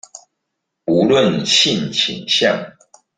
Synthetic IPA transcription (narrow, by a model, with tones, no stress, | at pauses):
u˨˦lwə˥˨nɕʰi˥˨nt͡ɕʰḭ˨˩ŋɕjɑ̰˥˨ŋ